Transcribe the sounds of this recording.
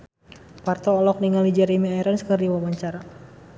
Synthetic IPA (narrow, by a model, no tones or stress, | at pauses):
part̪ɔːlɔk̚niŋalid͡ʒaɾimiaiɾənskərdiwabaɲt͡ʃaɾa